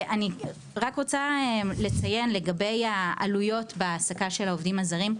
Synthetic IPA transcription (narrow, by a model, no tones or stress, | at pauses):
ʔani | ʁakʁot͡sale̞t͡sajenle̞ɡabe̞jaʔa̰lujo̞tbeːsakaʃe̞laovdimazaʁim